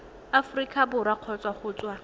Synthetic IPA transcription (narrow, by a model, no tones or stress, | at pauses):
afrikʼabʊɾaq͡χʰɔt͡sʼwaχʊːt͡swa